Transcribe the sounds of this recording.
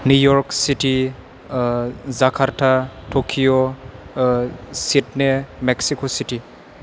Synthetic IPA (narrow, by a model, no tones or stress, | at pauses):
nujɔɾksiti | zakʰaɾtʰatʰokʰijo | sitnemeksikositi